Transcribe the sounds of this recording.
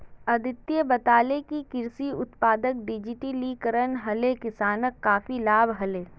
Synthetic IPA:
ɐd̪ʱɪt̪ːjəbɐt̪aːlekikɪɾsiʊt̪paːd̪ək̚ɖɪd͡ʒiʈilikəɾənɦɐlekɪsaːnəkːaːfilaːbɦɐleː

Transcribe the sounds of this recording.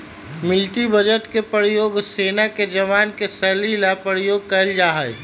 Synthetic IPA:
mɪlʈibəd͡ʒəʈkepəɾijoːɡseːnaked͡ʒəʋaːnkesəlilapəɾijoːɡ̚kəəld͡ʒaːɦə

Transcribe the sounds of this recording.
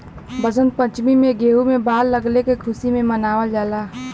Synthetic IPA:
bəzənd̪̚pə̃t͡ʃmimẽɡeːumẽbaːllɐɡlekekʰʊsimẽmɐnaːʋəld͡ʒaːlaː

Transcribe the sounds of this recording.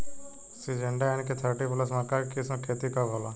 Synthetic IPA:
sid͡ʒeɳɖaɛnket̪ʰəɾʈipləs̬mãkaɾkismãkʰeːt̪ikabʱola

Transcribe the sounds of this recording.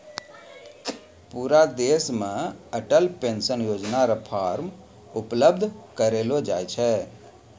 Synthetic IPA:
puɾad̪esmẽəʈəlpensənjoːd͡ʒnaɾapʰaɾm | ʊpləbd̪ʱkəɾelod͡ʒaːjt͡ʃʰɛ

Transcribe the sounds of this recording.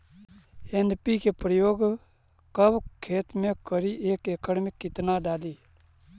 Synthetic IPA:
enpikepɾəjoːɡ | kəbkʰeːt̪mẽkəɾiʔeːkeːkʰəɽmẽkkɪt̪naɖaːliː

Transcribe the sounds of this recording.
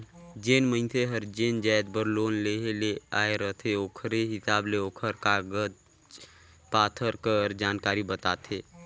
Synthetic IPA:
d͡ʒeːnmə̃ɪnt̪ʰeɦəɾd͡ʒeːnd͡ʒaːjd̪̚bəɾloːnleːɦeleaːeɾəɦt̪ʰeoːkʰɾeɦɪsaːbleoːkʰəɾkaːɡəd͡ʒ | paːt̪ʰəɾkəɾd͡ʒaːnkaːɾibət̪aːt̪ʰeː

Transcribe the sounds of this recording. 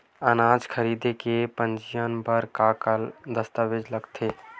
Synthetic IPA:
ənaːd͡ʒkʰəɾiːd̪ekepə̃nd͡ʒijənbəɾkaːkəld̪əst̪aʋed͡ʒləɡt̪ʰeː

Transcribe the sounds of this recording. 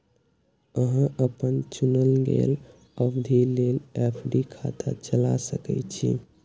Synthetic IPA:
əɦãʔəpənt͡ʃunəlɡḛl | əbd̪ʱilelepʰɖikʰa̰t̪a̰t͡ʃəlasəkɛ̰t͡ʃʰḭ

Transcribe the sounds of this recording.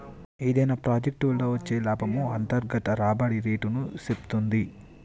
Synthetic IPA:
id̪ɐjnapɾaːd͡ʒek̚ʈuulːoːʋɐt͡ʃːe̞ːlaːbʱɐmuɐnt̪ɐɾɡɐt̪ɐɾaːbɐɽiɾeːʈunusept̪und̪i

